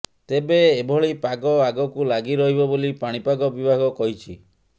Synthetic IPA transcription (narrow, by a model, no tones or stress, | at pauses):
t̪ebeːbʱɔɭipaɡɔaɡɔkulaɡiɾɔɦibɔbolipaɽ̃ipaɡɔbibʱaɡɔkɔɦit͡ʃʰi